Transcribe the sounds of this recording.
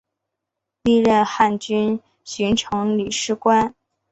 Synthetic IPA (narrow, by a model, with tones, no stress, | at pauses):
li˥˧ɻə˥˩nxa˥˩nt͡ɕy˥n | ɕi˧˥ŋʈ͡ʂʰɤ˧˥ŋli˨˩ʂɻ̩˥kwa˥n